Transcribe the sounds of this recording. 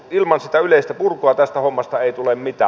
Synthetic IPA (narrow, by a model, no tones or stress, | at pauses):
ilmɑnsit̪æyleˑist̪æpurkˑoɑt̪æst̪æhomːɑst̪ɑeˑit̪ulemmit̪æ̰ː